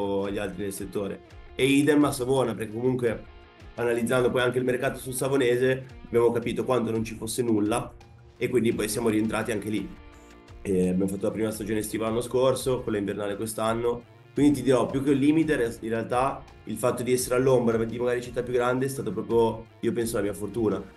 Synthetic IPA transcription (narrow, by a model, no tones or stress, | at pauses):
aʎːialt̪ɾinelset̪ːoːɾḛ | eid̪enmːasavoːnapeɾrkekːomuŋkwe | analid̪zːand̪opɔjaŋk̟eilmerkaːt̪osulsavoneːzeabjaːmokapiːt̪okwant̪onont͡ʃifosːenulːa | ekːwind̪ipɔjsjaːmoɾient̪ɾʔaːt̪iaŋk̟eli | ɛabjamofat̪ːolapɾiːmast̪ad͡ʒoːnest̪iːvalanːoskorsokolːaiɱvernaːlekwest̪anːo | kwind̪it̪id̪iɾɔpjukːeulːiːmit̪einrealt̪a | ḭlfat̪ːod̪iɛsːeɾealːombɾapakd̪imaɡaːɾit͡ʃit̪ːapːjuɡɾand̪eɛs̬t̪aːt̪opɾɔːpɾjo | iːopɛnsolamiːafort̪uːna